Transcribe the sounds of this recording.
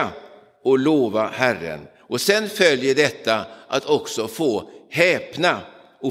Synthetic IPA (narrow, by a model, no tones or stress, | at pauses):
ɔloːvahærːə̰n | ɔsɛnfœljəɖɛt̪ːaʔat̪ʰɔksɔfoːhɛːpna | ɔ